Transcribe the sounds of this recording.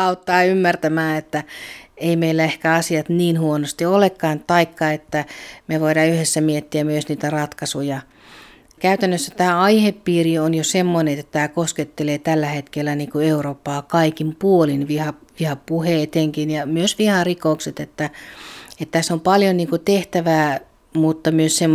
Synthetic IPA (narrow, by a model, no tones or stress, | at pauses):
ɑut̪ːɑːymːært̪æmæːet̪ːæeimeilːæehkæɑsiɑt̪niːnhuonost̪iolekːɑːnt̪ɑikːɑet̪ːæmeʋoiɾɑːyhesːæmiet̪ːiæmyøsniːt̪ærɑt̪kɑsujɑ | kæyt̪ænːøsːæt̪æːɑihepːiːrionjosemːoneet̪ːæt̪æːkosket̪ːeleːt̪ælːæhet̪kelːæniːŋkueuroːpːɑːkɑikimpuolinʋihɑʋihɑpuheːˑt̪eŋkinjɑmyøsʋihɑrikoukset̪et̪ːæ | et̪t̪ːæsompɑljoniːŋkut̪eht̪æʋæː | mut̪ːɑmyøssemː